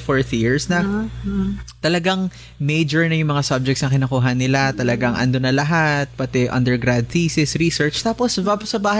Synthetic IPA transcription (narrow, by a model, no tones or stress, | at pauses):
foɹθjiɹsnɐ | t̪ɐlɐɡaŋ | mejd͡ʒɛɹnɐjʊŋmɐŋasɐb̚d͡ʒɛk̚tsnɐkɪnɐkuːɦɐnɪlat̪ɐlɐɡaŋʔɐ̰nd̪onɐlɐɦat̪̚pɐt̪ɛʔɐ̰nd̪ɛɹɡɾad̪̚tiːsɛsɾisɛɹt͡ʃt̪aːposbapsɐbaːhɐ